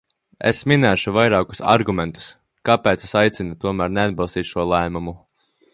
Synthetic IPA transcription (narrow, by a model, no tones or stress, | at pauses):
ḛsminæːʃuvajɾaːku̥sa̰ɾɡument̪u̥s | kapeːt̪sesajt̪sʲinut̪uɔmæːɾnead̪̚bɑlˠst̪iːt̪ʃuɔlˠɛjmumu